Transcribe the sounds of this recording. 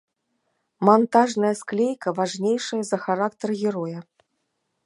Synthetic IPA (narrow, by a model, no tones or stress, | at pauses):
mant̪aʐnɐjɐsklʲejkɐvaʐnʲejʂɐjɐzɐxaɾakt̪ɐrɣʲɛɾɔjɐ